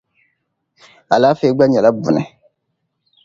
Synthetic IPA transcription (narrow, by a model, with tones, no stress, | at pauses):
a˨laː˦feː˦ɡ͡ba˦ɲɛ˨la˦bʊ̰˨nɛ̰˨